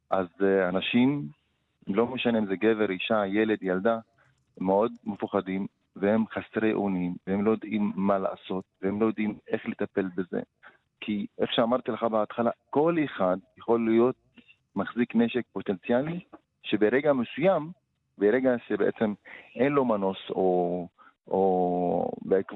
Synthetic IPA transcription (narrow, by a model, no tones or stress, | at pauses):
ʔazanaʃim | mlo̞meʃanemzeɡeveɾiʃaje̞le̞d̪jald̪a | meo̞d̪mefuχadim | vehemχasʁejʔo̰nimveemlo̞jod̪ʔimːala̰ːso̞t̪̚vehemlojo̞d̪ime̞χletape̞lbezḛ | kʰieχʃeamaʁt̪ileχabeat̪χalako̞leχad̪jeχo̞lːijo̞t̪̚ | maχzikneʃek̚po̞t̪e̞nt͡sjali | ʃebeʁeɡamesujam | beʁeɡaʃebeḛt͡se̞mʔenlo̞mano̞so̞ | ʔo | beek